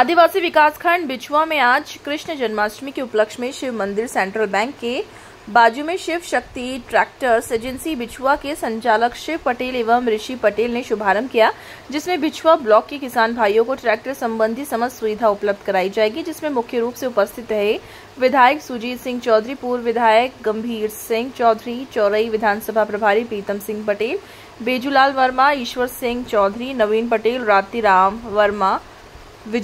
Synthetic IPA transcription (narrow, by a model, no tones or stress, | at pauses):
aːd̪ʱiʋaːsiʋɪkaːskʰəɳɖbɪt͡ʃʰʋamẽaːd͡ʒkɾɪʃɳəd͡ʒɐnmaːsɾmikeʊpləkʃmẽʃɪʋmɐ̃nd̪ɪɾsɛ̃ːɳʈɾəlbɛ̃ːŋkːe | baːd͡ʒumẽʃɪʋʃɐk̚t̪iʈɾɛːk̚ʈəɾseːd͡ʒə̃nsibɪt͡ʃʰʋakesɐ̃ɲt͡ʃaːləkʃɪʋpɐʈeːleːʋəmɾɪʃipɐʈeːlneʃʊbʱaːɾəmkijaː | d͡ʒɪsmẽbɪt͡ʃʰwablɔːkːikɪsaːnbʱaːjõkoʈɾɛːk̚ʈəɾsɐ̃mbə̃nd̪ʱisɐməzsɐʋɪd̪ʱaʊpləb̚d̪ʱkɐɾaːid͡ʒaːeːɡid͡ʒɪsmẽmʊkʰjəɾuːpseʊpəst̪ʰɪt̪ɾɐɦe | ʋɪd̪ʱaːjəksʊd͡ʒiːd̪sɪ̃ŋɡt͡ʃɔːd̪ʱɾipuːɾʋɪd̪ʱaːjəkɡɐ̃mbʱiːɾsɪ̃ŋɡt͡ʃɔːd̪ʱɾit͡ʃɔːɾəiʋɪd̪ʱaːnsəbʱapɾɐbʱaːɾipiːt̪əmsɪ̃ŋɡ̚pɐʈeːl | beːd͡ʒulaːlʋɐɾmaɪʃʋəɾsɪ̃ŋɡt͡ʃɔːd̪ʱɾinɐʋiːnpɐʈeːlɾaːt̪iɾaːmʋɐɾma | ʋɪd͡ʒ